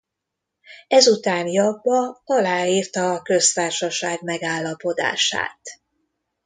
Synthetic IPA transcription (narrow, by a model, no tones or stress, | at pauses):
ɛzut̪aːnjɒbːɒɒlaːiːrt̪ɒːkø̞st̪aːrʃɒʃaːɡmɛɡaːlːɒpo̞d̪a̰ːʃa̰ːt̪